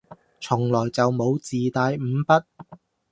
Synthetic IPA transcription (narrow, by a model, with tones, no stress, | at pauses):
t͡sʰʊ˨˩ŋlɔː˨˩jt͡sɐ˨wmo˨˧wt͡siː˨t̪aː˧jm̩ː˨˧˥pɐ˥t̚